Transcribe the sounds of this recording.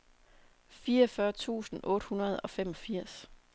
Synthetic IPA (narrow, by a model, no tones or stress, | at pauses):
fiːɒfɶɐt͡sʰṵːsn̩ʔɔ̽ːɾ̥hunɐð̞̩ˠɒ̽fem̰ɒ̽fiɐ̰s